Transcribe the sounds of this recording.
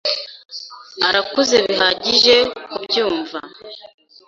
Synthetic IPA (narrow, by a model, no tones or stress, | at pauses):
aɾakuzeβiɦaːɟiʒe̞kubɟuːɱva̰